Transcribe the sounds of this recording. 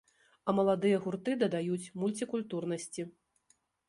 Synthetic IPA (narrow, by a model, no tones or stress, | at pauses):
ɐmɐlˠad̪ɨjɐɣurt̪ɨd̪ɐd̪ajut͡sʲmulʲt͡sʲikulʲt̪urnɐsʲt͡sʲi